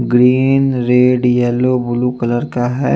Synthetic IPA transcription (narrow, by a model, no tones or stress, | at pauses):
ɡɾiːnɾeːɖjɛːlobʊlukələɾkaɦɛ